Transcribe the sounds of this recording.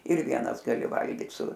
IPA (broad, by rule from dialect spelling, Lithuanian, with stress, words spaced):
ɪr ˈʋʲiɛnɐs ɡɐˈlʲɪ ˈʋɐlʲɡʲiːt sʊ